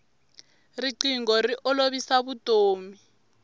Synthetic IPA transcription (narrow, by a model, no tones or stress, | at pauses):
riǀiŋɡɔriʔɔloβisaβutʼoːmi